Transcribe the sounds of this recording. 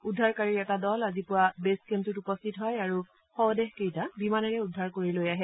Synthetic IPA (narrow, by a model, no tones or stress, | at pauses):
udʱːaɹkaɹiɹɛtadɔlazipʊwabeskentutupɔstʰitɦɔjaɹu | xɔwdɛɦkejtabimanɛɹɛudʱːaɹkoɹilojaɦɛ